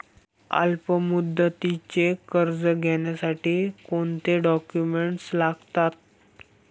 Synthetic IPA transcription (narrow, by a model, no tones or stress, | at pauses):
a̰lpəmud̪ːət̪it͡ɕekəɾd͡zəɡʱeɳjasaʈiːkoɳt̪eɖɔkjumeɳʈslaɡt̪at̪̚